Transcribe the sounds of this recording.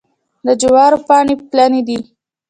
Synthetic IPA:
d̪əd͡ʒawɑɾopɑɳeplaned̪i

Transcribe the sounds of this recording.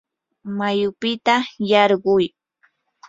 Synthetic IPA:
majʊpɪt̪ajɑɾɢʊj

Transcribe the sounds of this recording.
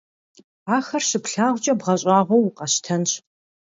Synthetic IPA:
aːxɐrɕɪpɬaːʁʷʊt͡ʃʼɐbʁɐɕʼɑːʁʷowqɐɕtʰɐnɕ

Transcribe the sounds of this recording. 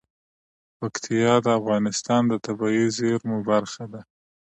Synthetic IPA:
pakt̪ʰijɑd̪əafɣɑnɪst̪ɑnd̪ət̪abɑizeɾmubaɾxad̪a

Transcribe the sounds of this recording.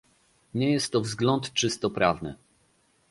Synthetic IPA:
ɲɛjɛst̪ːɔvzɡlɔnt̪t͡ʂɘst̪ɔpɾʔavnɘ̰

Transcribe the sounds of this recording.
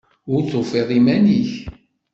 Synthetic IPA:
ʊɾt͡sːofiʁimæniç

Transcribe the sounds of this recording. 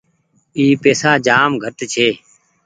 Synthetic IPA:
iːpeːsaːd͡ʒaːmɡʱəʈt͡ʃʰeː

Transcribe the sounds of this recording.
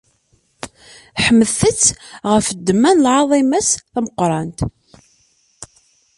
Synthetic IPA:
ħəmːəðθət͡sːʁəfəd̪ːəmːænlʕɑðˤiməsθæməqːɾˤɑnt̪

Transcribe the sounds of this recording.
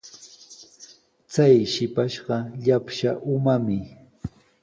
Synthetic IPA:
t͡sajʃɪpaʃɢɑʎapʃaʔʊmamɪ

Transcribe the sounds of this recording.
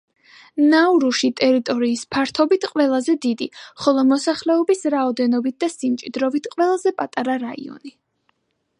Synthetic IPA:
nauɾuʃit̪ʼɛɾit̪ʼɔɾiːspʰaɾt̪ʰɔbit̪ʰqʼwɛlˠazɛd̪id̪iχɔlˠɔmɔsaχlɛɔbisɾaɔd̪ɛnɔbit̪̚d̪̥asimt͡ʃʼid̪ɾɔvit̪ʰqʼwɛlˠazɛpʼat̪ʼaɾaɾaḭɔ̰ni

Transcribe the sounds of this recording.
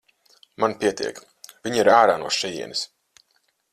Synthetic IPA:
manpʲiɛt̪ḭɛk | vʲiɲiɾaːɾaːnuɔʃɛjḭɛnis

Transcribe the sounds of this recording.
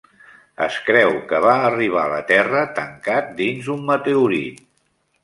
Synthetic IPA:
ə̰skɾɛwkəβ̞aːriβ̞a̰lə̰t̪ɛrət̪əŋkat̪̚d̪inzumːət̪euɾḭ

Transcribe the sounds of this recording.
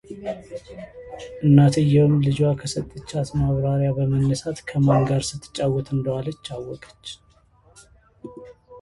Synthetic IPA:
ʔɨnːat̪ʰəjːɛwɨmlɨd͡ʒwakʰəsət̪ʼːɨt͡ʃːat̪maβɾaɾjabəmənːəsat̪kʰəmaŋɡaɾsɨt̪ːɨ̥t͡ʃʼːawːɔt̪ʰɨnd̪əwalət͡ʃːawːɔkʼə̥t͡ʃː

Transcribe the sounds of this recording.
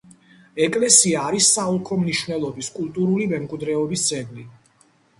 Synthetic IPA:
ɛkʼlɛsiaːɾisːaulˠkʰɔmniʃwnɛlˠɔbiskʼulˠt̪ʼuɾulimɛmkʼwid̪ɾɛɔbisd̪zʼɛɡli

